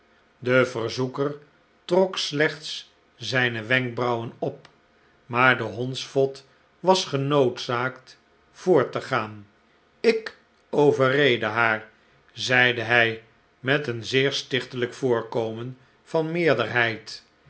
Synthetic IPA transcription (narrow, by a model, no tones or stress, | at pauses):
dəvərzukər | trɔkslɛχts | zɛjnəʋɛŋk̚brɑwənɔp̚ | maːɹdəɦɔnsfɔt | ʋɑsχənowtsaːkt | v̥ʊːɹtəχaːn | ɪk | owvərejdəɦaːɹ | zɛjdəɦɛj | mɛtənzɪːɹstɪχtələkfʊːɹkowmən | vɑnmɪːɹdəɹɦɛjt